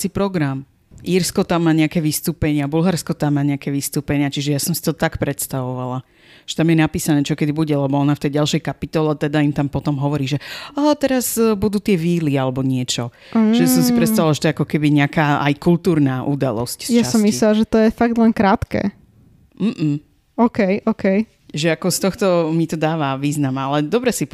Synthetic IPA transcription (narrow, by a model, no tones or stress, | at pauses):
sipɾɔɡɾam | ʔiɾskɔt̪amːaːɲɛakɛːʋist̪uːpɛɲɪabulɦaɾskɔt̪amːaːɲɛakɛːʋist̪uːpɛɲɪat͡ʃiʒɛjasɔmsi̥t̪ɔt̪akpɾɛt̪st̪aʋɔʋala | ʒ̥ɛ̥t̪amjɛnapiːsanɛːt͡ʃɔkɛd̪ibuɟɛlɛbɔɔnaft̪ɛjɟalʃɛjkapit̪ɔlɛat̪ɛd̪aimt̪ampɔt̪ɔmɦɔʋɔɾiːʒɛaɦat̪ɛɾazbud̪uːt̪ɪɛʋiːlialɛbɔɲɪɛt͡ʃɔ | ʒɛjasɔmsipɾɛt̪st̪aʋilaʒɛt̪ɔjɛakɔkɛbiɲɪakaːʔa̰jkult̪uːɾnaːʔud̪a̰lɔ̰scsjt͡ʃaasɔmmːislɛlaʒɛt̪ɔjɛfaɡ̚d̪lɛnkɾaːt̪kɛ̰ː | m̩ːm̩ | ɔkɛjʔɔkɛj | ʒɛakɔst̪ɔxt̪ɔmit̪ɔd̪aːʋaʋiːznamalɛd̪ɔbɾɛsip